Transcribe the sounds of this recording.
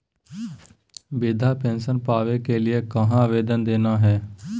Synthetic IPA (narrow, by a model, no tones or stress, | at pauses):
bɪd̪ʱapɛ̃ːnʃənpaːʋekeliekɐɦãʋeːd̪ənd̪eːnaɦɛː